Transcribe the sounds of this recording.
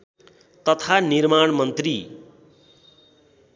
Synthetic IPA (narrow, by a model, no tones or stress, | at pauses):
t̪ʌt̪ʰanirmaɳmʌnt̪ri